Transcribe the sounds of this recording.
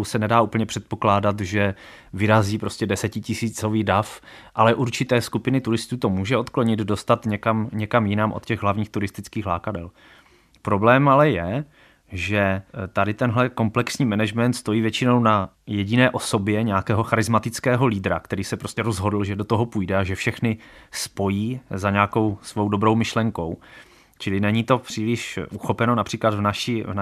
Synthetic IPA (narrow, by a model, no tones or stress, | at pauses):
wsɛnɛdaːuːpl̩ɲɛpr̝̥ɛt̪̚poklaːdat̪ʒɛ | vɪɾaziːpɾo̞scɛdɛsɛcɪcɪsiːt͡so̞viːdaf | ʔalɛʔuɾt͡ʃɪt̪ɛːskupɪnɪt̪uɾɪst̪uːt̪o̞muːʒɛo̞t̪kloɲɪd̪do̞st̪at̪ɲɛkamɲɛkamjɪnaːmʔo̰t̪cɛɣɦlavɲiːxt̪uɾɪst̪ɪt͡skiːxla̰ːkadɛ̰l | pɾo̞blɛːmalɛjɛ | ʒɛt̪adɪt̪ɛnɦlɛko̞mplɛksɲiːmɛnɛʒmɛnt̪st̪o̞jiːvjɛt͡ʃɪno̞wnajɛɟɪnɛːʔo̞so̞bjɛɲɛakɛːɦo̞xaɾɪzmat̪ɪt͡skɛːɦo̞liːd̪ɾa̰kt̪ɛɾiːsɛpɾoscɛɾozɦo̞dl̩ʒɛdot̪o̞ɦo̞pujdɛaʒɛfʃɛxnɪspo̞jiːzaɲɛako̞wsvo̞wdo̞bɾo̞wmɪʃlɛŋko̞w | t͡ʃɪlɪnɛɲit̪o̞pr̥iːlɪʃʔuxo̞pɛno̞napr̥iːklad̪vnaʃivna